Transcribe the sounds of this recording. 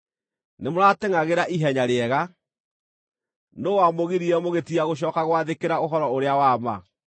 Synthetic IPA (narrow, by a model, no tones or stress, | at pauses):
nemoɾateŋaɣeɾaʔiɦɛɲaɾeɛɣa | nowamoɣiɾiɛmoɣetiaɣoɕ̬ɔːkaɣwaðekeɾaoɦɔɾɔoɾeawama